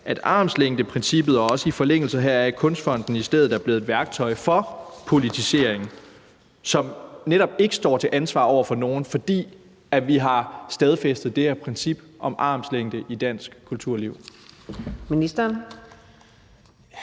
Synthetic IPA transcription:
ʔæd̥ɑ̰̈ːmsleŋ̰d̥əpʰʁɛnsib̥ð̩ˠɒɒ̽səifɒ̽leŋ̰l̩səɦæɐ̰æɐkʰɔ̽nsd̥fɒ̽n̰d̥n̩isd̥eð̩ˠæɐb̥le̝ːð̩ˠdˠʋæɐɡ̥̚t͡sʰɒ̽ɪfɒ̽pʰo̝lit͡sʰise̝ɐ̰e̝ŋn̩ | sɒ̽mneɾɒ̽b̥e̝ɡ̥ə̥sd̥ɒ̰ːt͡sʰe̝ʔænsʋɑ̈ːɒʊ̰ɐfɒ̽no̝ːn̩fɒ̽d̥ḭː | æʋiɦɑ̈sd̥ɛð̞ˠfesd̥ð̩ˠd̥e̝hæɐpʰʁɛnsib̥ʔɒ̽mʔɑ̈ːmsleŋ̰d̥əʔid̥æn̰sɡ̥kʰːult͡sʰuɐ̰liʊ | minisd̥ɐn

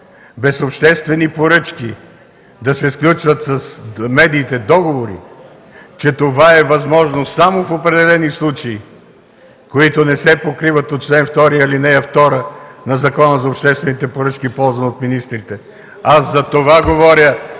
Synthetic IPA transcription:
bɛsopʃt̪ɛst̪vɛnipoɾɤt͡ʃki | d̪ɐsɛsklʲut͡ʃvət̪sɐsmɛd̪iːt̪ɛd̪ɔɡovoɾḭ | t͡ʃɛt̪ovaɛvɐzmɔʒnosamofopɾɛd̪ɛlɛnislˠut͡ʃɐi | koit̪onɛsɛpokɾivət̪ot̪̚t͡ʃlɛnft̪ɔɾiɐlinɛɐft̪ɔɾənɐzɐkɔnəzɐopʃt̪ɛst̪vɛnit̪ɛpoɾət͡ʃkipɔlˠzvɐnot̪minist̪ɾit̪ɛ | aszɐt̪ovaɡovɔɾʲjə

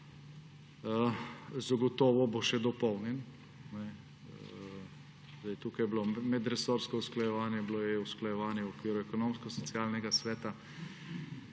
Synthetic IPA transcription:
zaɡɔt̪ɔːʋɔboʃɛd̪ɔpɔwnɛn | nɛ | zd̪ajt̪uːkajblomɛd̪ɾɛsoɾskɔusklajɛʋaːnjɛblojɛusklajɛʋaːnjɛwɔkʋiːɾuɛkɔnomskɔsɔt̪sjaːlnɛɡasʋɛːt̪a

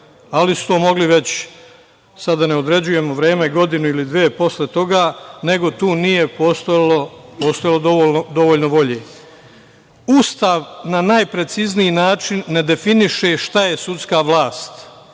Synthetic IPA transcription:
alisu̥t̪oːmo̞ɡliʋe̞t͡ɕ | sad̪ːane̞o̞d̪ɾed͡ʑuje̞moʋɾeːme̞ɡo̞d̪inuilid̪ʋeːpo̞slet̪o̞ɡaːne̞ɡo̞t̪uːnije̞post̪olopoːst̪ojalˠod̪oonod̪o̞ʋoʎnoʋo̞ʎeː | ust̪aːʋnanaːjpɾe̞t̪siznijinaːt͡ʃinːe̞d̪e̞finiʃe̞ʃt̪aje̞sut̪skaːʋlˠaːst̪

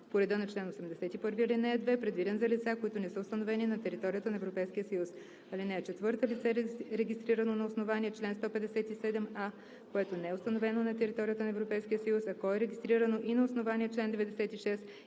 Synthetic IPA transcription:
poɾɛd̪ənɐt͡ʃlɛnosɛmd̪ɛsɛt̪ipɤɾvilinɛd̪vɛpɾɛd̪vid̪ɛnzɐlit̪sakoit̪ʊnɛsəost̪ənovɛninɐt̪ɛɾit̪ɔɾijət̪ənɐɛvɾopɛjskijəsəjus | ɐlinɛːt͡ʃɛt̪vɤɾt̪əlit̪sɛɾɛɡʲist̪ɾiɾənonɐosnovaniɛt͡ʃlɛnst̪ɔpɛd̪ɛsɛt̪isɛd̪ɛma | koɛt̪onɛɛʊst̪ɐnovɛnonɐt̪ɛɾit̪ɔɾʲijət̪ənɐɛvɾopɛjskiəsəjusɐkɔɛɾɛɡʲist̪ɾiɾənoʔinɐosnovaniɛt͡ʃlɛnd̪ɛvɛd̪ɛsɛt̪iʃɛs

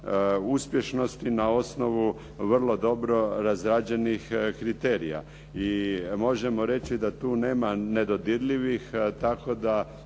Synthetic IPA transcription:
uspje̞ʃno̞st̪inao̞sno̞ʋu | ʋr̩lˠo̞d̪o̞bɾo̞ɾazɾad͡ʒe̞nixkɾit̪e̞ːɾija̰ | imo̞ʒemo̞ɾe̞t͡ɕid̪at̪uːne̞ːmane̞d̪o̞d̪iɾlʲiʋixt̪ako̞d̪a

